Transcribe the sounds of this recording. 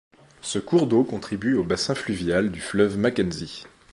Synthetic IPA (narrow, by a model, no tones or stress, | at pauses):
səkuʁd̪okɔ̃t̪χibyobasɛ̃flyvjald̪yflœvmakɛnzi